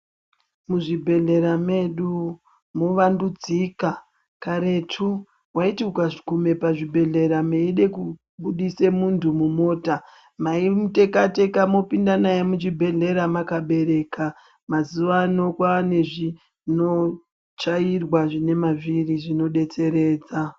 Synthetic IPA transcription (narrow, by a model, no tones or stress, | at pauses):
muʐibʱe̞ɮe̞ɾame̞ɗu | moʋandud͡zika | kaɾe̞tʰu | waitiukaʐikume̞paʐibʱe̞ɮe̞ɾameiɗe̞ku | ɓuɗise̞muntʰumumo̞ːta | maimute̞kate̞kamo̞pindanajemut͡ʃibʱe̞ɮe̞ɾamakaɓe̞ɾe̞ka | mazuʋano̞kwaːne̞ʐi | no̞ | t͡ʃairwaʐine̞maviriʐino̞ɗe̞t͡se̞ɾe̞ːd͡za